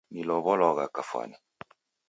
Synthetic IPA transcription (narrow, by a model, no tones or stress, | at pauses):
nilɔβɔlɔɣakafwa̰ni